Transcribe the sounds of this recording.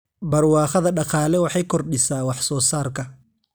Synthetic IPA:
bɐrwɑːχɐðɐɖɑqɑːlɛwɑħɑjkʰɔrɖɪsaːwɑħsɔːsaːrkʰɐ

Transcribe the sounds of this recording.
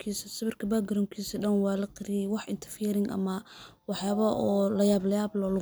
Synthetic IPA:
kʰiːsɐsɐβɪrkʰɐbaːɡɐɾɐŋkʰiːsɐɗɐnwɑːlɐqɪɾijɛwɑħɪnt̪ʰɐ̥rfiːɾɪŋʔɐ̰mɐ | wɑħjaːβɐɔːlɐjaːblɐjaːblɔlʊ

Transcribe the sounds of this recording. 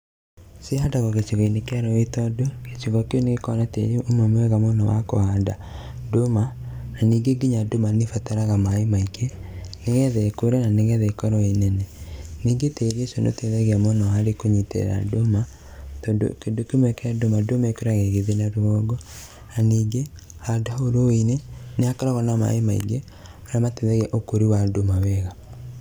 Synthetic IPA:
sehadaɣɔɣet͡ʃeɣɔinekɛɾɔetɔdoket͡ʃiɣɔkeɔneɣekɔnatḛɾeomɛmwɛɣamonɔwa̰kohaːnda̰ | domananiːŋɡeɡiɲadomanefataɾaɣamaemaikeneɣɛðɛkoɾɛnaneɣɛðɛkɔɾɔenɛnɛniːŋɡeteɾesono̰teðɛɣeamonɔaɾekoɲitḛɾa̰doma | todo̰kendokemwɛkadomadomaekoɾaɣeɣeðenaɾoɔɡɔ | naniːɡe | adaoɾoeneneakaɾɔɣɔnama̰emaḭɡe | aɾamateðɛɣeaʔokoɾiwadomawɛɣa

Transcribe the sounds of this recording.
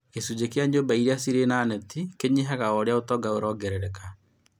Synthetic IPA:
kesud͡ʑekjaɲobaiɾeasiɾenanɛtikeɲiɦaɣaɔɾeaotɔɡaoɾɔɡɛɾɛɾɛka

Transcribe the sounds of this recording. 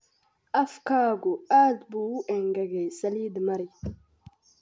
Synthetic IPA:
afkaɡuadbueŋɡaɡesalid̪əmaɾi

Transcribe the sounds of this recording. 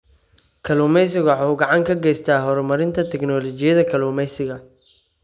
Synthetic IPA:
kʰɐluːmɛjsɪɣʊħowɡɑʕɑŋkʰɐɡɛjst̪ʰaːɦɔɾmɐɾɪnt̪ʰɐt̪ʰɛɡnɔːlɔt͡ʃɪjɐðɐkʰɐluːmɛjsɪɣɐ

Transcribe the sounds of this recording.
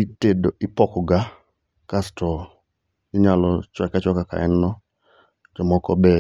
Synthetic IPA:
itedoʔɪpɔkɔɡa | kastɔ | ɪɲalɔt͡ʃwɛkat͡ʃwakaka̰ɛnnɔ | d͡ʒɔmɔkɔbɛ

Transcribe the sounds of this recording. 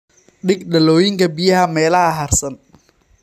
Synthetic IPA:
ɖɪɡɖɐlɔːjɪŋkʰɐbijɐɦɐmɛːlɐhɐɦɐrsɐn

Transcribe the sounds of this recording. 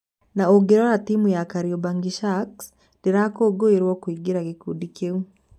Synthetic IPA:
naoɡeɾɔɾatiːmujakaɾiɔbaŋɡiʃaks | diɾakoːɡoeɾwɔkwiːɡiɾakikudikeu

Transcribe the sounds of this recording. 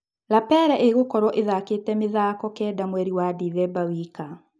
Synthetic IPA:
lapɛɾɛʔeɣokɔɾɔʔeðaketɛmeðaːkɔkɛːdamwɛɾiwadiðɛbawiːka

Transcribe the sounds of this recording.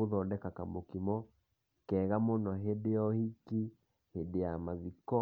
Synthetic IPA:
oðɔdɛkakamokimɔ | kɛɣamonɔɦedeɔhiki | hedeamaðikɔ

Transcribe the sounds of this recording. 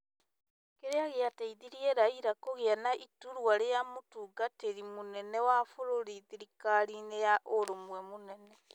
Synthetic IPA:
keɾeaɣeataiðiɾiɛɾaiɾakoɣeanaʔituɾwaɾejamotuːɡateɾimonɛnɛwafoɾoɾiðiɾikaɾinejaʔoɾomwɛmonɛnɛ

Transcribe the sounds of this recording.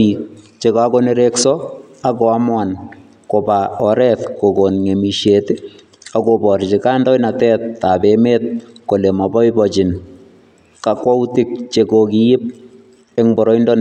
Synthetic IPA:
ik̚ | t͡ʃekakoneɾeksɔ | akoamwan | kopaɔɾɛtkokonŋemiʃetɪ | akopɔɾt͡ʃɪkandɔjnatɛːt̚ːabemet̚kolemabɔɪbɔt͡ʃɪn | kakwautɪk̚t͡ʃekokijɪp̚ | eŋbɔɾɔindɔn

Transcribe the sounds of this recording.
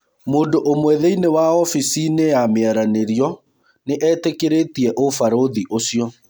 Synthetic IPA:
moːndoʔomwɛðɛinewaɔfisineameɛɾaneɾjɔ | neʔɛːtekeɾetiɛʔofaɾoðiʔosjɔ

